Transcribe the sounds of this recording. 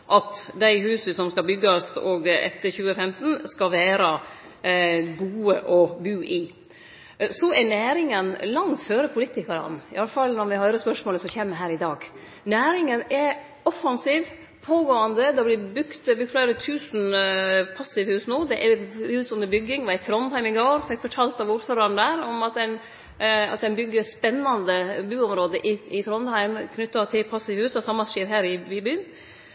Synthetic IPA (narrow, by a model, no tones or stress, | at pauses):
ʔɑt̪d̪æɪɦʉːsəsɔmskɑbʏɡːɑsɔɡɛ̰t̪ːəɾçʉːəfɛmt̪n̩skɑʋæːɾə | ɡuːəʔɔbʉːʔɪ | sɔɛnæːɾɪŋənlɑŋt̪føːɾəpʰʊlit̪ɪkɑɾɑ̰nɪ̰ɑlːəfɑlnɔɾmɪhɑʏɾəspœʂmoːləsɔçeːmːəɦæːɾɪd̪ɑːɡ | næːɾɪŋənɛ | ɔfɑnsiːʋ | pʰoːɡoːənd̪əd̪ɛblɪbʉkt̪bɾʉk̚t̪flæɪɾət̪ʰʉːsn̩pʰɑsɪʋhʉːsnuːd̪ɛʔɛhʉːsʊnd̪əɾbʏɡːɪŋʋɑɛt̪ʰɾɔnhæɪmɪɡoːɾfɛkːfɔʈʰɑːlt̪ɑʋʊɾføːɾɑnd̪æːɾɔmɑt̪̚d̪ɛn | ɑ̰t̪̚d̪ɛnbʏɡːəɾspɛnːɑnd̪əbʉːɔmɾoːd̪əʔɪɪt̪ʰɾɔnhæɪmkʰnʏt̪ːɑt̪ʰɪlpʰɑsːɪʋhʉːsd̪ɑsɑmːɑʃeːɾɦæːɾɪbɪbyːn